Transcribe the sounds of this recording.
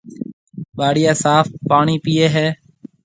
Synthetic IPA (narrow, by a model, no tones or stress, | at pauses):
ɓaːɽɪjaːsaːfpaːɳiːpiːeːɦɛː